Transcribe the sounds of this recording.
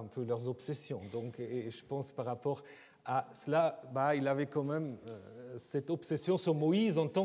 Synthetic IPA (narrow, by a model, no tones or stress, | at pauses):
ɛ̃pʰølœʁzɔpsɛsjɔ̃d̪ɔ̃keʒəpɑ̃spaʁːapɔʁ | asəlabailavɛkɑ̃mɛm | sɛt̪ɔpsɛsjɔ̃syʁmɔizɑ̃t̪ɑ̃